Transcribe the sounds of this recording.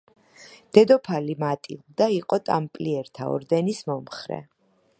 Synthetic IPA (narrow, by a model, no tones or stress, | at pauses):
d̪̥ɛd̪ɔpʰalimat̪ʼḭlˠd̪aiqʼɔt̪ʼa̰mpʼliɛɾt̪ʰaɔ̰ɾd̪ɛnismɔmχɾɛ̰